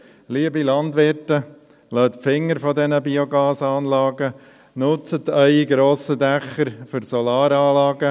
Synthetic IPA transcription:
liəbilɑndʋɪɾtə | lœːt̪pfɪŋːəɾfɔdɛnəbiɔɡɑːsɑːnlɑːɡə | nʊt͡sət̪œɪiɡɾoːsədɛχːəɾfʏɾsɔlɑːɾɑːlɑːɡə

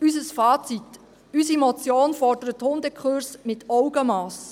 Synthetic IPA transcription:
ysəsfɑːt͡sit | ysimɔt͡sjoːnfɔrdəɾəthʊndəkʰχʊrsmɪtʰɔʊɡəmɑːs

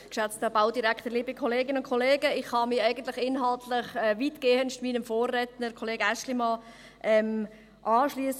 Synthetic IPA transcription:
kʃat͡stəbaʊdiɾakʰtəɾliːbikʰɔleːɡɪnəʊnt̚kʰɔleːɡəɪχhɑmiɛɪɡəntlɪχɪnɦɑltʰlɪχɛviːtɡ̥eːənʃtmiːnəmfoːrɛtnəkʰɔleːɡəæʃlimɑ | ʔɛm | ʔɑːʃliəs

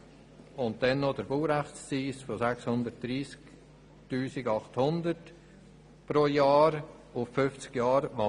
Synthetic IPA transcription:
ʊn̚dɛnːod̥əɾbuːɾæχt͡st͡siːsfɔsækshʊnd̪ət̚d̥ɾiːsk | tuːsɪɡɑχthʊndət | pɾoːjɑːɾ | ʊffʏft͡sɡ̥jɑːɾʋɑ

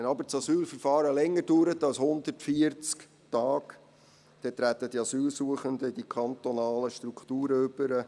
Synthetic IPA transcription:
ɛnɑbəɾt͡sɑsyːlfəɾfɑːɾəlɛŋːəduːɾətɑlshʊnd̪ərtfiəɾt͡sk | tɑːk | d̥ɛt̪ɾæt̪əd̥iɑsyːlsuəχəndəd̥ikʰɑnt̪ɔnɑːləʃtɾukʰt̪uːɾəʏb̥əɾə

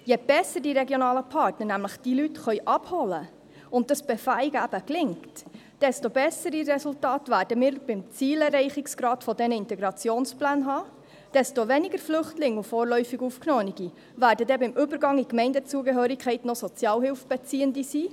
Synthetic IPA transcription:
jeb̥ɛsədiɾɛɡjonɑːləpʰɑɾtnənæmləχd̥ilytχœʏʔɑbhɔlə | ʊnt̚dɑsb̥efæɪɡæb̥əklɪŋkt | d̥ɛstobɛsəɾirɛsultɑːtʋæːɾdəmiːɾb̥ɪmt͡siːlɛrɛɪχɪksɡ̥ɾɑːtfɔdɛnəɪntɛɡɾɑt͡sjoːnsplæːnɦɑː | d̥ɛstoʋɛniɡəɾflʏχtlɪŋufoːɾlœʏfiɡuːfknoːəniɡi | væːɾdədɛbɪmʔʏbəɾɡɑŋikmɛɪndət͡suəɡəɦøːɾikʰχɛɪtnosɔt͡sjɑːlhɪlfb̥ɛt͡siːəndisiː

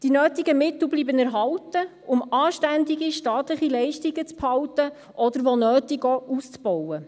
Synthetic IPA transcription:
d̥inøːtiɡəmɪtl̩bliːbənæɾɦɑwtə | ʊmɑːʃtænd̪iɡiʃtɑːt̪ləχilɛɪʃtiɡət͡sphɑwtə | ʔɔd̪əɾʋɔnœːtiɡɔːust͡sbɔwə

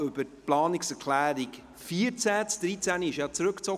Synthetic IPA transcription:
ʏbəɾplɑːnɪksɛɾkʰlæːɾik | fiːəɾt͡sæt͡sd̥ɾit͡sæniɪʃjɑt͡sɾɵkt͡sɔ

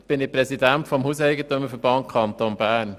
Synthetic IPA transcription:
b̥ɪnɪpɾɛsidæntfɔmhuːsɛɪjɡət̪øməfəbɑnkʰɑnt̪oːnbæːɾn

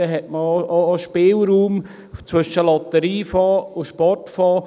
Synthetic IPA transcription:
ɛɦɛtməːʃpɪːlɾuːm | t͡sʋʏʃəlɑt̪əɾiːfɑːʊʃpɔrtfɑː

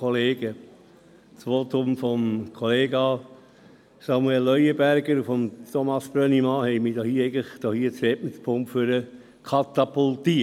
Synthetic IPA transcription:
kʰɔleːɡ̥ə | t͡sʋot̪ʊmfɔmkʰoleːɡɑ | sɑmuɛlːœjəbæɾɡəɾufɔmt̪ʰɔmɑsb̥ɾœnimɑːhɛɪmiːdɔːhiːɛɪɡələχd̥̪ɔːhiːət͡sɛtmɪtpʰʊmpføɾə | kʰɑt̪ɑpult̪i

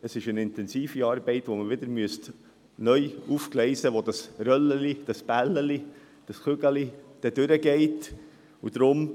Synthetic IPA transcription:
əsɪʃənɪntɛnsiːfiɑːɾbɛɪtʋoməʋɪd̪əɾmyəst | nœʏufklɛɪsəʋod̥ɑsrœləlid̥ɑspælːəli | d̥ɑsχʏɡəlid̥ɛd̥ʏɾəɡɛɪt | ud̥ɾʊm

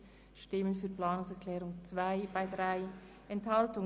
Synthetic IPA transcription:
ʃtɪmənfyːɐplaːnʊŋsɛʁkʰlɛːʁʊŋt͡sv̥aɪb̥aɪdʁaɪ | ʔɛnthaltʊŋ

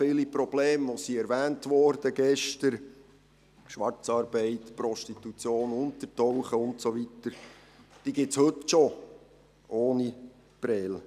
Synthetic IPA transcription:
fɪːlipɾɔb̥leːmʋosiɛɾʋæːntʋɔːɾd̥əɡɛʃtəɾ | ʃʋɑrt͡sɑːɾbɛɪtpɾɔʃtitut͡sjoːnʊntətɔwχəʊntsoʋitəɾ | d̥iːɡɪshɵtʃo | ʔoːni | pɾɛl

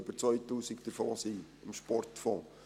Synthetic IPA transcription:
b̥əɾt͡sʋœʏtuːsɪkd̥̪əɾfɔːsi | ɪmʃpɔrtfɔ̃ː

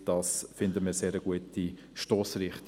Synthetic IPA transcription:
d̥ɑːsfɪndəməseːɾəɡ̥uəti | ʃtoːsɾɪχt̪

